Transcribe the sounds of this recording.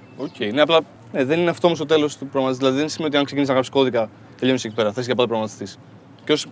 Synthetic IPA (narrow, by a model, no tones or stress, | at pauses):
ocʰe̞ine̞ɐplɐ | ne̞ðenineɐft̪omost̪o̞t̪e̞lo̞st̪upɾoɣmɐt̪is̬zðilɐðiðensimenot̪iɐŋksec̬inisnɐɣɾɐpsi̥ko̞ðikɐ | t̪eʎo̞nisecipe̞ɾɐθes̬ceɐpɐpɾoɣɐmɐt̪i̥st̪is | cosi̥